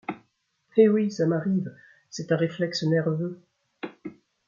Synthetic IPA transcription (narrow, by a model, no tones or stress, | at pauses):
ewisamaʁiv | sɛt̪ɛ̃ʁeflɛksənɛʁvø